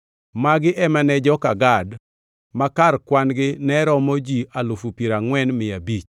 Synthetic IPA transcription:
maɡɪʔɛmanɛd͡ʒɔkaɡad | makarkwanɡɪnɛɾɔmɔd͡ʒialufupiɾaŋwɛnmɪabit͡ʃ

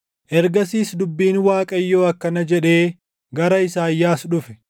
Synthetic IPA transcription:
ʔɛɾɡɐsiːsd̪ʊbːiːnwaːkʼɐjːo̞ːɐkːɐnɐd͡ʒɛᶑe̞ː | ɡɐɾɐɪsaːjːaːsᶑʊfɛ̥

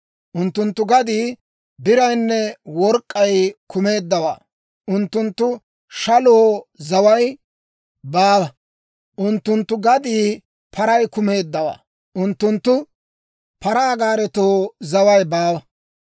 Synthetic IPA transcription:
ʔʊnt̪ːʊnt̪ːʊɡɐd̪iː | bɪɾɐjnːɛwɔɾkʼːɐjkʊme̞ːd̪ːɐwa̰ː | ʔʊnt̪ːʊnt̪ːʊ | ʃɐloːzɐwɐj | baːwɐ | ʔʊnt̪ːʊnt̪ːʊɡɐd̪iː | pʰɐɾɐjkʊme̞ːd̪ːɐwa̰ː | ʔʊnt̪ːʊnt̪ːʊ | pɐɾaːɡaːɾɛt̪oːzɐwɐjbaːwɐ

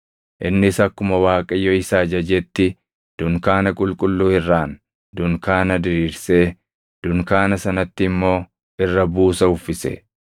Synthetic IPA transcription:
ʔɪnːɪsɐkːʊmɐwaːkʼɐjːɔɪsaːd͡ʒɐd͡ʒɛt̪ːɪ | d̪̥ʊŋkaːnɐkʼʊlkʼʊlːuːɪrːaːn | d̪ʊŋkaːnɐd̪ɪɾiːɾseː | d̪̥ʊŋkaːnɐsɐnɐt̪ːɪːmːo̞ː | ʔɪrːɐbuːsɐʊfːɪsɛ̰

